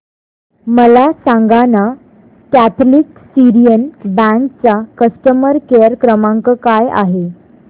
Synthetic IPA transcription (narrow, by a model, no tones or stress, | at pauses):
məlasãŋɡana | kæt̪ʰlik | siɾijənbæ̃ŋkt͡sakəsʈəməɾkejəɾkɾəmãŋkəkaja̰ɦe